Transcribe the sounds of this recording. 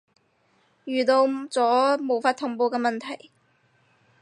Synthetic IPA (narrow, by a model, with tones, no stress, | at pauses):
jyː˨t̪o˧wt͡sɔː˨˥mo˨˩wfaː˧t̪ʰʊ˨˥ŋpo˧wkɛː˧mɐ˨nt̪ʰɐ˨˩j